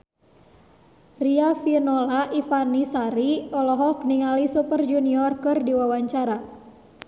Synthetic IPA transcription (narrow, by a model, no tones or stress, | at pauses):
riafinɔlaʔifanisaɾiɔlɔɦɔk̚niŋalisupərd͡ʒuniɔrkɨrdiwawaɲt͡ʃaɾa